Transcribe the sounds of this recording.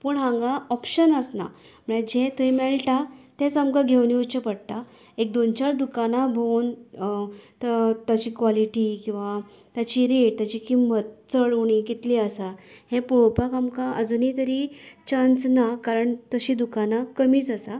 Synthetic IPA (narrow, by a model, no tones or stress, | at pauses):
puːɳɦãŋɡaɔpɕənəsna̰ | m̤əɭed͡ʑet̪əjmɛɭʈat̪ɛ̃t͡samkaɡʱewniut͡ɕepəɽt̪a | ek̚d̪ont͡ɕaɾd̪ukanabʱown | t̪ət̪jat͡ɕiːkʋaliʈikĩw̃ʋa | t̪jat͡ɕiɾeʈ̚t̪jat͡ɕikimbət̪̚t͡səɭuɳ̃ikit̪liəsahẽpowpakamkaʔə̰d͡zunit̪əɾit͡ɕãnt͡snakaɾəɳt̪əɕiːd̪ukanakəmiːt͡səsa